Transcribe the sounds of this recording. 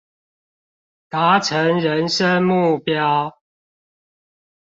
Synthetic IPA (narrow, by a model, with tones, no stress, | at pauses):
t̪a˨˦ʈ͡ʂʰə˨˦ŋɻə˨˦nʂə˦nmu˥˨pjɑ˦ʊ